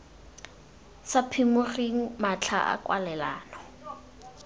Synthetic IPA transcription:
sapʰimʊriŋ̩mat͡ɬʰa̰ʔa̰kwalɛlaːnɔ

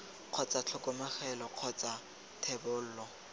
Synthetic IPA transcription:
q͡χʰɔt͡sʼat͡ɬʰʊkʼʊmɛχɛlɔq͡χʰɔt͡sʼa | tʰɛbʊl̩ːlɔ

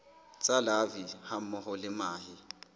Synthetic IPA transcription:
t͡sʼalaviham̩mɔhʊlɪmaːhi

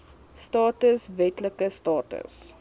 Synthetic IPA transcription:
stɑːtəsvɛtləkəstɑːtə̰s

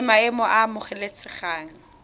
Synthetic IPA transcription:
maɪmɔʔamʊχɛlet͡sʰɪχaːŋ̩

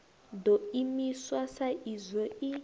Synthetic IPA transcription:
dɔimiswasaʔizɔi

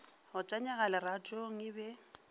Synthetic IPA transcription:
hʊt͡ʃʼaɲaɣalɛrat͡ʃʼoŋ̩ɪbɛ

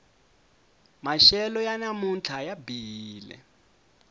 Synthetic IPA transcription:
maʃɛlɔjanamunt͡ɬʰajabiːlɛ̰

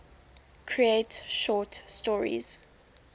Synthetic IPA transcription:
kʰɹietʃɔtstɔɹḭz̥

